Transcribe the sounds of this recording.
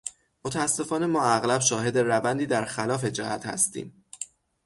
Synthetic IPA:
mo̞t̪ʰææsːe̞fɒːne̞mɒːæɣlæbʃɒːɦe̞d̪erævænd̪iːd̪æɾxælɒːfe̞d͡ʒæhæt̪hæ̰st̪ḭːm

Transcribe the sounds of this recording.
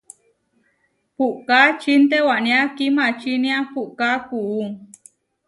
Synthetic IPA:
puʔkat͡ʃint̪ewaʔnĩãkimãt͡ʃinĩãpuʔkakuʔuŋ

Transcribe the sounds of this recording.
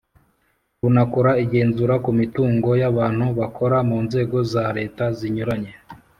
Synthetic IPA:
βunakoɾaiɡe̞ːnzuɾakumituːŋɡo̞jaβaːn̥huβakʰo̞ɾamuːnze̞ːɡo̞zaɾe̞ːtaziɲuɾaɲe̞

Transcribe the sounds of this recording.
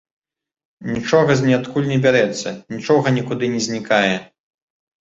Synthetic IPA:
nʲit͡ʂɔɣɐzʲnʲɛat̪kulʲnʲɛbʲaɾɛt̪sːɐ̰nʲit͡ʂɔɣɐnʲikud̪ɨnʲɛzʲnʲikajɛ

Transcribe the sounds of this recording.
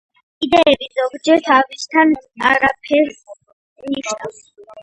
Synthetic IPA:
id̪ɛɛbizɔɡd͡ʒɛɾt̪ʰavist̪ʰana̰ɾapʰɛɾs | mniʃnavs

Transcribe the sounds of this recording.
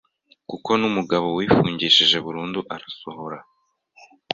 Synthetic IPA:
kuko̞numuɡaβo̞wiːfuːɲɟiːʃiʒe̞βuɾuːnduʔaɾaso̞ho̞ɾa

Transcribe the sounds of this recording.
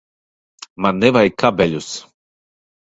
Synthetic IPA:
manːɛvajkabɛʎʲus

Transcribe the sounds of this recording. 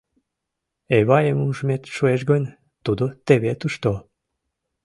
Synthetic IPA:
eβɑjəmuʒmet̪ʃueʃɡənʲ | t̪ud̪ot̪eβet̪uʃt̪o

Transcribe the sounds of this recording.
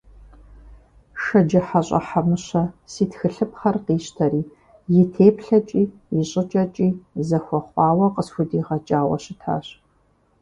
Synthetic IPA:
ʃɐd͡ʒɐħaɕʼɐ̰ħamɨɕɐsiːtxɨɬɨpχɐrqiːɕtʰɐɾiː | jɪtʰeːpʰɬɐt͡ʃʼiːjɪɕʼɪt͡ʃʼɐt͡ʃʼiːzɐxʷɔχʷɑːwɐqəsxʷʊdiːʁɐt͡ʃʼaːwɐ̰ɕɪtʰa̰ːɕ

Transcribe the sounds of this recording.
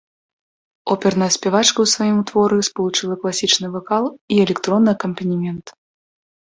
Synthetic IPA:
ɔpʲɛrnɐsʲpʲɛvat͡ʂkɐwsvajimut̪vɔɾɨspɐlˠut͡ʂɨlˠɐklˠasʲit͡ʂnɨvɐkalˠiɛlʲɛkt̪ɾɔnːɨjɐkɐmpɐnʲimʲɛnt̪

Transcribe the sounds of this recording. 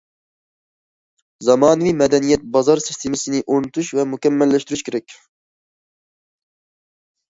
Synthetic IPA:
zɑmɑːnɨvimɛd̪ɛnijɛt̪̚bɑzɑɾsi̥st̪ʰemɪsɪnɪʔonut̪ʰuʃvɛmukʲɛmːɛlːɛʃt̪yɾyʃkʲʰeɾɛk̚ʲ

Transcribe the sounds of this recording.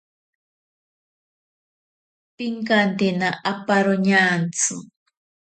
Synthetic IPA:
piŋkant̪enaʔapaɾoɲant͡sɨ̰

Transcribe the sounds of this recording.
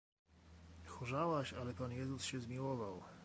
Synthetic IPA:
xuʐawaɕalɛpanjɛzusɕɛzmʲiwɔvaw

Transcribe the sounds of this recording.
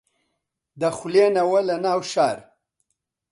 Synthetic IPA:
d̪axulenawalanaːwʃaːɾ

